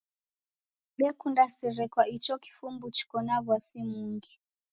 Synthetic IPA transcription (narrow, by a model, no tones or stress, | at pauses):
ɓɛkundasiɾɛkwait͡ʃɔki̥fumbut͡ʃi̥kɔnaβwasimuŋɡi